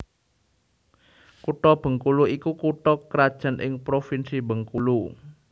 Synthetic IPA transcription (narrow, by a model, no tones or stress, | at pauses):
kuʈɔb̥ə̤ŋkuluikukuʈɔkəɾad̥ʒ̥ä̤nʔɪ̰ŋpɾofinsibə̤ŋkulu